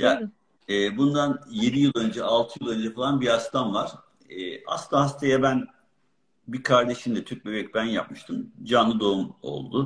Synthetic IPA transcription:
ja | ɛːbund̪anje̞d̪ijɯlˠø̞nd͡ʒɛalˠt̪ʰɯjɯlˠø̞nd͡ʒɛfalˠanbiast̪ʰamvaɾ̥ | ɛːa̰st̪aɦast̪ʰajabæn | bikʰaɾd̪e̞ʃimd̪ɛt̪ʰyɾc̚bøbɛc̚ʲbænja̰p̚mɯʃt̪ʰɯmd͡ʒanlˠɯd̪o̞umo̞̰lˠd̪ʊ

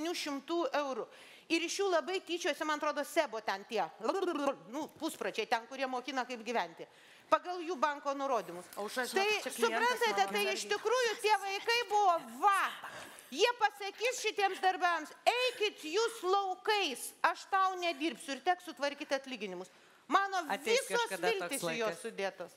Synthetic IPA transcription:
nʲuːʃʲɪmt̪uːʔɛʊɾʊ | ɪɾɪʃjuːlˠɐbɐɪt̪ʲiːt͡ʃʲuɔsʲɛmɐnɐt̪ɾoːd̪oːsʲæːboːt̪ʲɛnt̪ʲiɛlˠɐnʊpusprɐt͡ʃʲɛɪt̪ʲɛnkʊɾʲiɛmoːkʲiːnɐkɐɪpɡʲɪʋʲɛnʲt̪ʲɪ | pɐɡɐlˠjuːbɐŋkoːnʊɾoːd̪ʲɪmʊsʃt̪ɐɪt͡ʃsʊpɾɐnt̪ɐt̪ʲɛt̪ɐɪɪʃtʲɪkɾuːjʊt̪ʲiɛʋɐɪkɐɪbʊʋoːʋɐ | jiɛpɐsɐkʲiːsʃʲɪt̪ʲiɛmsd̪ɐrʲbʲɛmsɛɪkʲɪt̪juːslˠɐʊkɐɪsɐʃt̪ɐʊnʲɛd̪ʲiːɾʲpʲsʲʊɪrt̪ʲæːksʊt̪ʋɐɾʲkʲiːt̪ʲɐt̪ʲlʲiːɡʲɪnʲɪmʊs | mɑːnoːʋʲɪsoːsʋʲɪlʲtʲɪːsɪjoːssʊd̪ʲeːt̪oːs

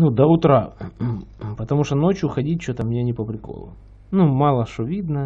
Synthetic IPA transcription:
nud̪ɐʊt̪ɾa | pət̪ɐmuʂt̪onot͡ɕjʊxɐdʲit̚ʲt͡ɕːot̪əmnʲenʲɪpəpɾʲɪko̰lˠʊ̰ | numɑlˠəʂt̪ovʲid̪nə

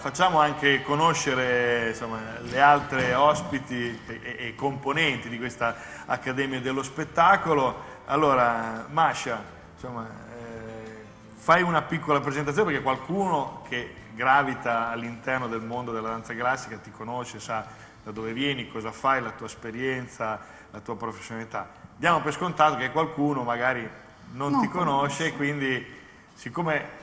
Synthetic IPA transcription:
fat͡ʃːaːmoaŋkekonoʃːeɾesomːalealt̪ɾeɔspit̪iː | komponɛnt̪id̪ikwest̪a | akːad̪ɛːmjad̪elːospet̪ːakoloa̰lːoːɾamaʃa | somːa | fajunapikːolapɾezent̪at̪sonepekekwalkuːnokʰe | ɡɾavit̪aːlːint̪ɛrnod̪elmond̪od̪elad̪ansaɡɾasːikat̪ikonoʃesa | d̪ad̪oːvevjɛːnikɔːzafajlat̪uːaespeɾjɛnt̪sa | lat̪uːapɾofe̥sːjonalit̪ad̪jaːmopeskont̪aːt̪okekwalkuːnomaɡaːɾi | nont̪ikonoʃekwind̪i | sikːoːme

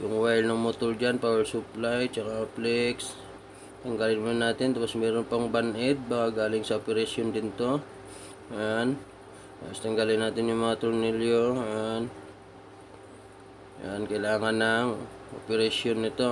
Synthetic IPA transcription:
jʊŋwajlnɐŋmot̪ʊld͡ʒanpawɛɹsʊplajt͡ʃɐkaplɛks | t̪ɐŋɡalɪnmʊnaːt̪ɪnt̪apo̞smɛːɾonpɐŋbɐnʔɛd̪̚bakaɡaːlɪŋsɐʔopɛɾaʃjond̪ɪnt̪o̞ | an | apost̪ɐŋɡalɪnːaːt̪ɪnjʊŋmɐŋat̪ʊɾnɪljoan | jankɐjlaːŋɐnlaŋ | ʔo̰pɛɾaʃonːɪt̪o̞

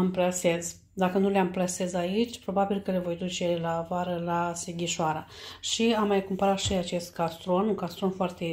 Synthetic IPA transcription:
əmplase̞z | d̪akənuleamplase̞zait͡ʃʲpɾo̞babilkəlevo̞jd̪ut͡ʃe̞laːvaɾəlaseɡʲiʃoaɾaʃiamːajkumpəɾat̪ʃiat͡ʃe̞st̪kast̪ɾo̞nuŋkast̪ɾo̞nfoart̪e̞

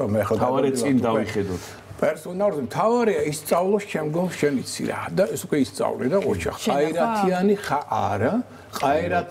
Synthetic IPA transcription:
mɛɛχad̪aaɾɛind̪aviχɛd̪ɔt̪ʰ | pʼɛɾsɔnalzimt̪ʰavaɾiaist̪sʼavlˠɔst͡ʃʰɛmɡɔmʃɛnit̪sʰḭɾa̰d̪aɛsukʼwɛist̪sʼa̰vlḭdaqʼɔ̰ɾt͡ʃʰa̰qʼaiɾat̪ʰianiχaʔaɾa | qʼaiɾa

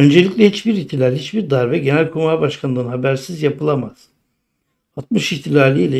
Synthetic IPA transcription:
ø̞nd͡ʒelʲicʲlʲɛhit͡ʃbiɾiçt̪ʰilʲaːlʲihit͡ʃbiɾd̪aɾvɛɟenælʲkʰumabaʃkʰanɯnɦabæɾsizjapɯlˠamaz̥ | at̪̚mɯʃiçt̪ʰilʲaːlʲiilʲɛ

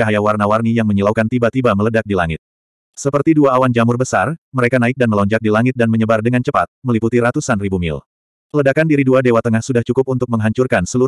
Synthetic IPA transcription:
t͡ʃaɦajawarnawarnijaŋməɲilawkant̪ibat̪ibamələdak̚dilaŋɪt̪̚ | səpərt̪iduaːwand͡ʒamʊrbəsarməɾekanaɪk̚danməlɔɲd͡ʒak̚dilaŋɪt̪̚danməɲəbardəŋant͡ʃəpa̰t̪̚məliput̪iɾat̪usanribumɪ̰l | ələdakandiɾiduadewat̪əŋahsudaht͡ʃukʊp̚unt̪ʊk̚məŋɦaɲt͡ʃurkansəlu

